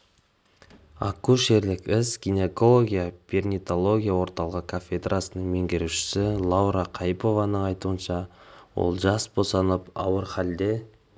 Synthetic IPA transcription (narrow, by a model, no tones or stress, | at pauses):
ɑ̰kuʃe̞ɾlɪkɪsɡ̥ʲine̞ko̞lˠo̞ɡʲijapʲernʲit̪o̞lˠo̞ɡʲijawo̞ɾt̪ɑlˠəʁəkʰafʲed̪rʔasənəɴme̞ŋɡʲeɾuʃɪ̥sɪlˠɑwɾɑqʰɑjpo̞vɑnəɴɑjt̪uənʃɑwo̰lˠʒɑsbo̞sɑnəpɑwəɾχɑld̪e̞